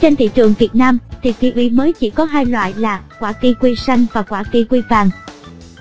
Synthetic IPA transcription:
t͡ɕe˧nt̪ʰḭ˧˨t͡ɕɨ˨˩əŋvi˨˩ət̚naː˧mt̪ʰi˨˩t̪ḭ˧˨˩ʔwḭ˧˩məː˨˦jt͡ɕi˧˩kɔ˨˦ɦaː˧jlwa̰ː˧˨jlaː˨˩kwaː˧˩ki˧kwi˧sa˧jŋ̟vaː˨˩kwaː˧˩ki˧kwi˧faː˨˩ŋ

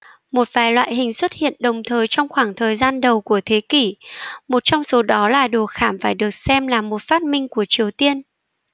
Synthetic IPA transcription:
mo˨˩t̚vaː˨˩jlwa̰ː˧˨jɦhï˨˩ŋ̟swə˦˥t̚hḭ˧˨ənɗə˨˩wŋ͡mt̪ʰəː˨˩jt͡ɕɔ˧wŋ͡mxwaː˧˩ŋt̪ʰəː˨˩jzaː˧nɗə˨˩wku˧˩ət̪ʰe˨˦ki˧˩mo˨˩t̚t͡ɕɔ˧wŋ͡mso˨˦ɗɔ˨˦laː˨˩ɗo˨˩xaː˧˩mfaː˧˩jɗɨ˨˩ək̚sɛ˧mlaː˨˩mo˨˩t̚faː˦˥t̚mï˧ŋ̟ku˧˩ət͡ɕi˨˩əwt̪i˧ən

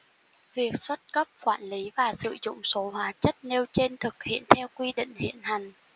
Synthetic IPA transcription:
vi˨˩ək̚swə˦˥t̚kə˦˥p̚kwaː˧˩nli˨˦vaː˨˩sɨ̰˧˨zʊ̰˧˨ŋ͡mso˨˦hwaː˨˦t͡ɕə˦˥t̚ne˧wt͡ɕe˧nt̪ʰɨ˨˩k̚hḭ˧˨ənt̪ʰɛ˧wkwi˧ɗḭ˧˨ŋ̟hḭ˧˨ənɦa˨˩ŋ̟

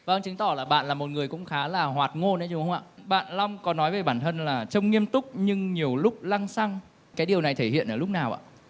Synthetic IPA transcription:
və˧ŋt͡ɕɨ˨˦ŋt̪ɔ˧˩laː˨˩ɓa̰ː˧˨nlaː˨˩mo˨˩t̚ŋɨ˨˩əjkʊ̰˧˥ŋ͡mxaː˨˦laː˨˩hwaː˨˩t̚ŋo˧nʔa˧˦jt͡ɕʊ˨˧˦ŋ͡mxə˧ŋ͡mʔa̰ː˧˨ɓa̰ː˧˨nlɔ˧wŋ͡mkɔ˨˦nɔ˨˦jve˨˩ɓaː˧˩nt̪ʰə˧nlaː˨˩t͡ɕə˧wŋ͡mŋi˧əmt̪ʊ˦˥k͡p̚ɲɨ˧ŋɲi˨˩əwlʊ˦˥k͡p̚la˧ŋsa˧ŋ | kaː˨˦jɗi˨˩əwna˨˩jt̪ʰe˧˩hḭ˧˨ənʔəː˧˩lʊ˦˥k͡p̚naː˨˩wʔa̰ː˧˨

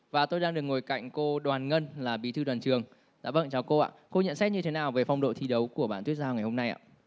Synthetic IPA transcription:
vaː˨˩t̪o˧jɗaː˧ŋɗɨ˨˩ək̚ŋo˨˩jka̰˧˨jŋ̟ko˧ɗwaː˨˩nŋə˧nlaː˨˩ɓi˨˦t̪ʰɨ˧ɗwaː˨˩t͡ɕɨ˨˩əŋ | ɗa̰ː˧˥ɓə̰˧˨nt͡ɕɔ˧˩ko˧ʔa̰ː˧˨ko˧ɲə̰˧˨nsɛ˦˥t̚ɲɨ˧t̪ʰe˨˦naː˨˩wve˨˩fa˧wŋ͡mɗo̰˧˨t̪ʰi˧ɗə˨˦wku˧˩əɓa̰ː˧˨nt̪wət̚zaː˧ŋa˨˩jho˧mna˧jʔa̰ː˧˨

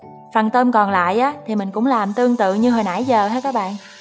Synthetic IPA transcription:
faː˨˩nt̪ə˧mkɔ˨˩nla̰ː˧˨jʔaː˨˦t̪ʰi˨˩mï˨˩ŋ̟kʊ̰˧˥ŋ͡mlaː˨˩mt̪ɨ˧əŋt̪ɨ̰˧˨ɲɨ˧ɦəː˨˩jna̰ː˧˥˩jzəː˨˩haː˧˥kaː˦˥k̚ɓa̰ː˧˨nʔ

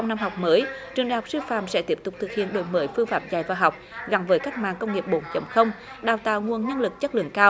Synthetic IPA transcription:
t͡ɕa˧wŋ͡mna˧mɦa˨˩wk͡p̚məː˨˦jt͡ɕɨ˨˩ŋɗa˨jɦɔ˨˩k͡p̚sɨ˧faː˧˨msɛ̰˧˥t̪i˦˥əp̚t̪ʊ˨˩k͡p̚t̪ʰɨ˨˩k̚hḭ˧˨ənɗo̰˧˨˩jməː˨˦jfɨ˧faː˨˥p̚za̰˨˩jvaː˨˩ɦa˨˩wk͡p̚ɣa˨˩nvəː˨˦jka˦˥k̟̚ma̰ː˧˨ŋkə˧wŋ͡mŋi˨˩əp̚ɓo˨˦nt͡ɕə˨˩˦wŋ͡mxə˧wŋ͡m | ɗaː˨˩wt̪a̰ː˧˨wŋu˨˩ənɲə˧nlɨ˨˩k̚t͡ɕə˦˥t̚lɨ̰˧˨əŋkaː˧w

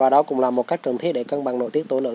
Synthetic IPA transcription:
vaː˨˩ɗɔ˨˦kʊ̰˧˥wŋ͡mlaː˨˩mo˨˩t̚ka˦˥jk̟kə˨˩nt̪ʰi˦˥t̚ɗe˧ka˧nɓa˨˩ŋno̰˧˨t̪i˦˥ət̪̚o˨˦nə̰˧˨

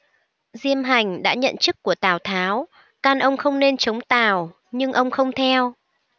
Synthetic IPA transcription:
zi˧əmɦa˨˩jŋ̟ɗa̰ː˧˥ɲə̰˧˨nt͡ɕɨ˦˥k̚ːu˧˩ət̪aː˨˩wt̪ʰaː˨˦w | kaː˧nʔə˧wŋ͡mxə˧wŋ͡mne˧nt͡ɕə˨˦wŋ͡mt̪aː˧˨˩w | ɲɨ˧ŋʔə˧wŋ͡mxə˧wŋ͡mt̪ʰɛ˧w

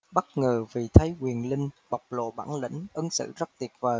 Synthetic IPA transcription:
ɓə˦˥t̚ŋəː˨˩vi˨˩t̪ʰə˨˦jkwi˨˩ənlï˧ŋ̟ɓa˨˩wk͡p̚lo̰˧˨ɓa̰ː˧˩nlḭ˧˥ŋ̟ʔə˨˧˦nsɨ̰˧˨zə˦˥t̚t̪i˨˩ət̚vəː˨˩

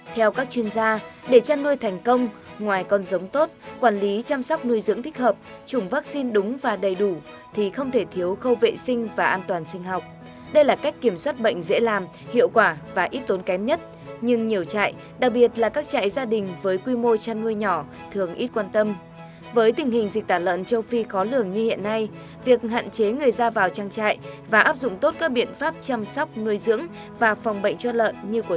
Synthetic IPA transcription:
t̪ʰɛ˧wkaː˦˥k̚t͡ɕwi˧ənzaː˧ɗe˧˩t͡ɕaː˧nːu˧əjt̪ʰɛ˨˩jŋ̟kə˧wŋ͡mŋwaː˨˩jkɔ˧˩nzə˨˦wŋ͡mt̪o˦˥t̚kwaː˧˩nli˨˦t͡ɕaː˧msɔ˦˥wk͡p̚nu˧əjzɨ̰˧˥əŋt̪ʰi˦˥k̚həː˨˩p̚t͡ɕʊ˨˧˩ŋ͡mvaː˦˥k̚si˧nɗʊ˨˦ŋ͡mvaː˨˩ɗə˨˩jɗu˧˩ | t̪ʰi˨˩xə˧wŋ͡mt̪ʰe˧˩t̪ʰi˨˦əwxə˧wvḛ˧˨sï˧ŋ̟vaː˨˩ʔaː˧nt̪waː˨˩nsï˧ŋ̟ɦɔ˨˩wk͡p̚ | ɗə˧jlaː˨˩ka˦˥jk̟kːi˧˩əmswaː˦˥t̚ɓə̰˧˨ŋ̟zḛ˧˥laː˨˩m | hḭ˧˨əwkwaː˧˩vaː˨˩ʔi˦˥t̚t̪o˨˦nkɛ˨˦mɲə˦˥t̚ | ɲɨ˧ŋɲi˨˩əwt͡ɕa̰ː˧˨j | ɗa˨˩k̚ɓi˨˩ət̚laː˨˩kaː˦˥k̚t͡ɕa̰ː˧˨jzaː˧ɗï˨˩ŋ̟vəː˨˦jkwi˧mo˧t͡ɕaː˧nːu˧əjɲɔ˧˩ | t̪ʰɨ˨˩əŋʔi˦˥t̚kwaː˧nt̪ə˧m | vəː˨˦jt̪ï˨˩ŋ̟hï˨˩ŋ̟zi˨˩t̪aː˧˩lə̰ː˧˨nt͡ɕə˧wfi˧xɔ˨˦lɨ˧˩əŋɲɨ˧hḭ˧˨ənːa˧j | vi˨˩ək̚ha̰ː˧˨nt͡ɕe˨˦ŋɨ˨˩əjzaː˧vaː˨˩wt͡ɕaː˧ŋt͡ɕa̰ː˧˨jvaː˨˩ʔaː˦˥p̚zʊ̰˧˨ŋ͡mt̪o˦˥t̚kaː˦˥k̚ɓḭ˧˨ənfaː˦˥p̚t͡ɕa˧msɔ˦˥wk͡p̚nu˧əjzɨ̰˧˥əŋ | vaː˨˩fa˨˩wŋ͡mɓə̰˧˨jŋ̟t͡ɕɔ˧lə̰ː˧˨nɲɨ˧ku˧˩

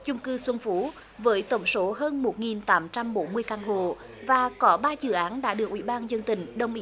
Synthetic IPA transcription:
t͡ɕʊ˧ŋ͡mkɨ˧swə˧nfu˨˦ | vəː˨˦jt̪ə˧˩wŋ͡mso˨˦ɦəː˧nmo˨˩t̚ŋi˨˩nt̪aː˨˦mt͡ɕa˧mɓo˨˦nmɨ˧əjkaː˧nɦo̰˧˨ | vaː˨˩kɔ˨˦ɓaː˧zɨ̰˧˩ʔaː˨˦nɗa̰ː˧˥ɗɨ˨˩ək̚ʔwi˧˥˩ɓaː˧nzə˧ŋt̪ï˧˨˩ŋ̟ɗə˧wŋ͡mʔi˨˧˦

